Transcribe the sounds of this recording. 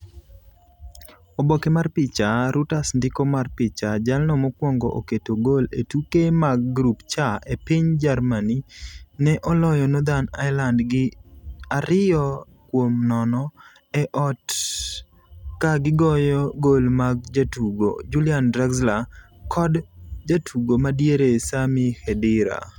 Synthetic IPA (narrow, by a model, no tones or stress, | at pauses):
obokemarpɪt͡ʃaɾutasndɪkomarpɪt͡ʃad͡ʒalnɔmɔkwɔŋɡɔ̰ʔo̰ketoɡolḛtukemaɡ̚ːɾupt͡ʃaepiɲd͡ʒarmaninɛʔɔlɔjɔnod̪ana̰ɪlandɡɪaɾɪjɔ | kwomnɔnɔ | ɛʔɔt | kaɡɪɡɔjɔɡolmaɡ̚d͡ʒatuɡo̰d͡ʒuljandɾaɡzla | kʰɔdd͡ʒatʰuɡomadjeɾesamihɛdɪɾa̰